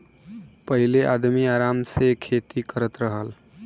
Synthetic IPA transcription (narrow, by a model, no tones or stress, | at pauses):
pəɦileʔad̪miaɾamsekʰet̪ikəɾət̪ɾəɦəl